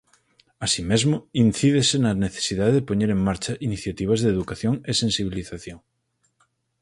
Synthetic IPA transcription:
asimezmoinθiðesenaneθe̥siðaðeðepoɲeɾeŋmaɾt͡ʃɐʔiniθjat̪iβ̞ɐzðeːðukaθjoŋesẽnsiβ̞iliθaθjoŋ

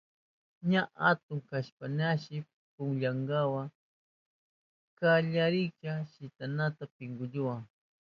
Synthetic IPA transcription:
ɲaʔat̪ʊŋkaʃpanaʃɪ | pʊŋʎaŋɡawa | kaʎaɾɪt͡ʃaʃɪt̪anat̪apɪŋɡʊʎʊwaŋ

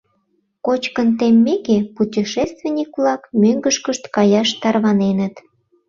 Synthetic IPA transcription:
kot͡ɕkənt̪emːekeputʲiʃest̪venʲikβlɑkmøŋɡəʃkəʃt̪kɑjɑʃt̪ɑrβɑnenət̪

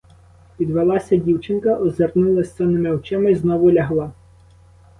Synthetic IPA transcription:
pʲid̪ʋelˠɑsʲɐdʲiwt͡ʃɪnkɐʔɔzernulˠɐsʲt̪ɛnɪmɪɔt͡ʃɪmɐiznɔʋʊlʲɐɦlˠɑ

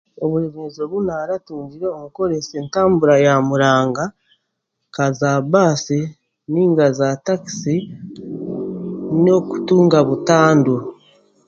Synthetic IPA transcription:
oβuɾeβezo̞βunaɾatuːɲɟiɾeomuko̞ɾesentaːmbuɾajamuɾaːŋɡa | kazabaːsi | niːŋɡazataki̥si | noku̥tuːŋɡaβutaːndu

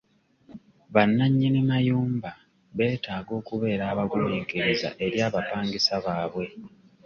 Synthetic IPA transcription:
βanːaɲːinimajuːmba | βe̞ːtaːɡo̞ːkuβe̞ːɾaːβaɡumeːkeɾeza̰ʔe̞ɾjaːβapaːŋɡisaβaːβwe̞

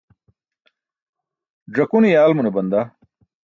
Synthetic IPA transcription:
ɖɐkunijaːlmunebɐnd̪a

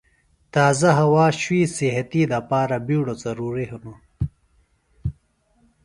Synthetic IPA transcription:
t̪aːzɐɦɐwaːɕwiːsiɦɐt̪id̪ɐpaːɾɐbiːɽozɐɾuːɾiɦunu

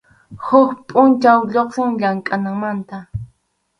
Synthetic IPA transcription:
hʊkpʼʊnt͡ʃawʎoχsɪŋʎaŋkʼanaŋmant̪a

